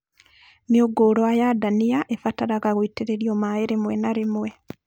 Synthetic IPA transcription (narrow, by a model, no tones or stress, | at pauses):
nioɡoːɾoajadaniaʔefataɾaɣaɣoiteɾeɾiomaeɾemwɛnaɾemwɛ